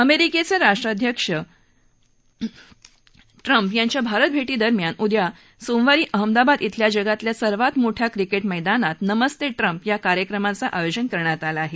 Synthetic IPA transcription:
əmeɾiket͡seɾaʂʈɾad̪ʱjəkʂə | ʈɾəmpjaɲt͡ɕjabʱaɾət̪̚bʱeʈiːd̪əɾmjanud̪ja | somʋaɾiːʔəɦəmd̪abad̪it̪ʰljad͡ʑəɡat̪ljasəɾʋat̪moʈʰjakɾikeʈməjd̪anat̪nəməst̪eʈɾəmpjakaɾjəkɾəmãt͡saʔajod͡ʑənkəɾɳjat̪alaːɦe

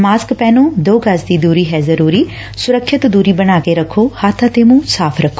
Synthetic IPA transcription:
maːskpɛːnũːd̪oːkəsd̪iːd̪uːɾiːɦɛːzəɾuːɾiː | sʊɾəkʰːʃɪt̪d̪uːɾiːbəñaːkeɾəkʰːoːhaːt̪ʰãt̪eːmũːsaːpʰɾəkʰːoː

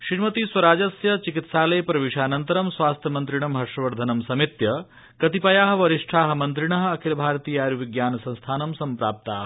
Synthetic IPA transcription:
ʃɾiːmɐt̪iswɐɾaːd͡ʒɐsjɐt͡ʃikit̪saːlɐjɐpɾɐʋiʂaːnɐnt̪ɐɾɐmsʋaːst̪ʰjɐmɐnt̪ɾiɳɐmɦɐʂɾɐʋɐɾd̪ʱɐnɐmsɐmit̪jɐ | kɐt̪ipɐjaːɦɐ̆ʋɐɾiʂʈʰaːɦɐ̆mɐnt̪ɾiɳɐɦɐ̆ɐkʰilbʱaːɾɐt̪iːjaːɾjuʋiɡjaːnɐsɐ̃ñst̪ʰaːnɐmsɐmpɾaːp̚t̪a̰ːɦ

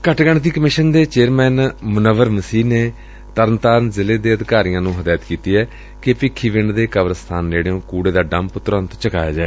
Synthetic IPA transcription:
kəʈɡəɳt̪iːkəmɪʃənd̪eːt͡ʃeːɾmɛːnmʊnəʋəɾməsiːneː | t̪əɾənt̪aːɾnzɪleːd̪eːəd̪kaːɾijãːnũːɦəd̪aːjət̪kiːt̪iːɛː | kɪpɪkʰːiːʋɪɳɖd̪eːkəʋəɾst̪ʰaːnɾeːɽeõːkuːɽeːd̪aːɖə̃mpt̪ʊɾə̃nt̪t͡ʃəka̰ːja̰ːd͡ʒaːe

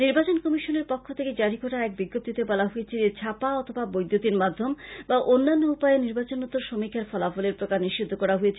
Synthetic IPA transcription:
niɾbat͡ɕonkɔmiʃoneɾpokʰːot̪ʰeked͡ʑaɾikoʈaɛk̚biɡːop̚d̪it̪ebɔlaɦojet͡ɕʰeet͡ɕʰapaɔt̪ʰobabojd̪ʱːot̪inmad̪ʱːombaʔonːanːoupajeniɾbat͡ɕonot̪ːoɾʃomikʰːaɾfɔlafoleɾpɾokaɾniʃʃid̪ʱːokɔɾaɦojet͡ɕʰe

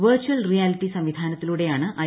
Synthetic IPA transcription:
ʋɐːrt͡ɕːuɐlrijaːliʈːisɐmʋid̪ʱaːnɐt̪ːiluɽe̞jaːɳɨʔɐ

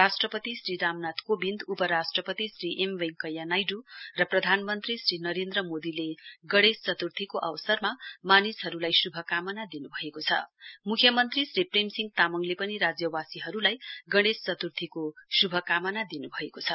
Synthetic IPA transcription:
asʈrʌpʌt̪isriɾamnat̪kobind̪upʌɾasʈrʌpʌt̪isriʔemweŋkʌjːanajɖurʌprʌd̪ʱanmʌnt̪risrinʌɾend̪rʌmod̪ileɡʌɽ̃est͡sʌt̪urt̪ʰikoʔʌwʌsʌrmamanisɦʌɾulajsubʱʌkamʌnad̪inubʱʌekot͡sʰʌ̰mukʰjʌmʌnt̪risripremsiŋɡ̚t̪amʌŋlepʌniɾad͡zjʌwasiɦʌɾulajɡʌɽ̃est͡sʌt̪urt̪ʰikosubʱʌkamʌnad̪inubʱʌekot͡sʰʌ

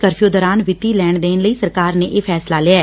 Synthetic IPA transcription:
kəɾfʰijoːd̪ɔːɾaːnʋɪt̪iːlɛːɳd̪eːnləiːsəɾkaːɾneːʔeːpʰɛːslaːlɪːaɛː

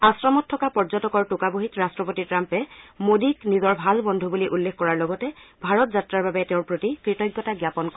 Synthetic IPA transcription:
asɹamɔtʰːɔkapɔɹzɔtɔkɔɹtʊkaboɦitɹastɹɔpotitɹampɛmodiknizɔɹbʱalbɔndʱubuliʔulːexkɔɹaɹlɔɡɔtɛbʱaɹɔtzatɹaɹbabɛtɛʊ̃ɹpɹotikɹitɔjɡːɔtaɡjapɔnk

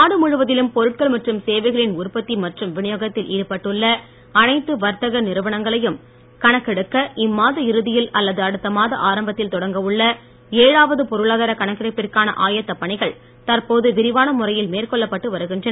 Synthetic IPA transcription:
aːɽɯmʊɻʊʋɐðɪlɯmpɔɾɯʈ̚kɐɭmɐʈrɯmseːʋɐɪɣɐɭɪnʊɾpɐt̪ːimɐʈrɯmʋɪɳɪjoːɣɐt̪ːɪlʔiːɽɯpːɐʈːɯɭːɐ | ɐnɐɪt̪ːɯʋɐɾt̪ɐɣɐnɪɾɯʋɐɳɐŋɡɐɭɐjɯm | kɐɳɐkːɛɽɯkːɐʔɪmːaːðɐɪɾɯðɪjɪlɐlːɐðɯɐɽɯt̪ːɐmaːðɐʔaːɾɐmbɐt̪ːɪlt̪ɔɽɐŋɡɐʋɯɭːɐ | eːɻaːʋɐðɯpɔɾɯɭaːðɐɾɐkɐɳɐkːɪɽɐɪpːɪrkaːnɐ̰ʔaːjɐt̪ːɐpːɐɳɪɣɐɭ | t̪ɐrpoːðɯʋɪɾɪʋaːnɐmʊrɐjɪlmeːrkɔɭːɐpːɐʈːɯʋɐɾɯɣɪndrɐn

